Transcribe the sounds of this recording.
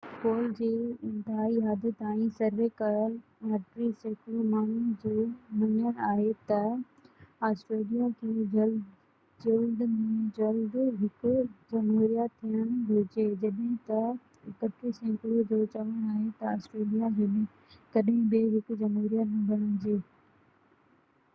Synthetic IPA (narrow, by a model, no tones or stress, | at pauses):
koːld͡ʑeːɪ̃nt̪ɪɦaːiɦaːd̪ʱət̪aːĩsɐɾʋeːkɐɾəl | ɐʈɾisɛ̃ːkɾumaːnud͡ʑoːmɐɲəɽ̃aːɦet̪ɐ | aːsʈɾeːlijakʰed͡ʑɐl | d͡ʑeuːd̪mẽd͡ʑɐld̪ɦɪkʊd͡ʑɐmɦuɾijat̪ʰːijəɽ̃d͡ʒʱot͡ɕeːd͡ʑɐɗɦɪ̃t̪ɐ | kɐʈ̪ɾisɛ̃ːkɾud͡ʑot͡ɕɐʋəɽ̃aːɦet̪ɐaːsʈɾeːlijaɦemẽ | kɐɗɦɪ̃bɪɦɪkʊd͡ʑɐmɦuɾijanɐbʱɐɽ̃əñd͡ʑeː